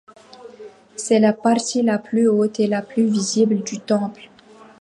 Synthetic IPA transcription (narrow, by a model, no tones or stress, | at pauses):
sɛlapaʁt̪ilaplyot̪elaplyvizibld̪yt̪ɑ̃pl